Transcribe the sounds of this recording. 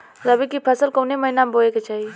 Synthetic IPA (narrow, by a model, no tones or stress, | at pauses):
zɐbikipʰɐsəlkoːnemɐinamboeket͡ʃaːɦi